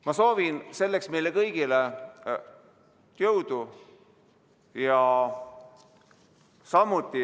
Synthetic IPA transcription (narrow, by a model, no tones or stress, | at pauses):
mɑso̞ːvinse̞lːe̞ksme̞jlekɤjɡ̥ile | t̪jɤwd̪̥u | jɑ | sɑmːut̪ˑːi